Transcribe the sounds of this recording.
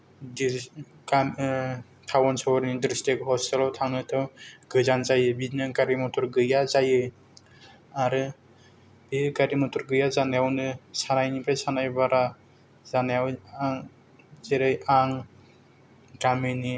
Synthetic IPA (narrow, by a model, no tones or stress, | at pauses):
di | am | tʰawɔnsɔwɔɾnidiɾstekhɔstelawtʰaŋnɯtʰɯwɡɯzanzajɯbinɯɡaɾimɔtʰɔɾɡɯjazajɯ | aɾɯ | b̥iɡaɾimɔtʰuɾɡɯjazanajawnɯsanajnibajsanajbaɾa | zanajawaŋ | zeɾajaŋ | ɡamini